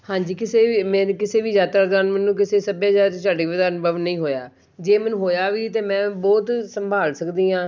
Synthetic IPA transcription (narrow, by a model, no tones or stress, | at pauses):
hãːɲd͡ʒiːkɪseːiːmɛ̃ːkɪseːʋiːd͡ʒaːt̪aɾɪd̪aːnmɛnũːk̬ɪseːsəbjãːd͡ʒaːt͡ʃaːɖeʋɪd̪aːnbəʋnəĩːɦoːjaː | d͡ʒeːmɛnũːɦoːjaːʋiːt̪eːmɛ̃ːbɔːt̪səmbʱaːlsəkd̪iːãː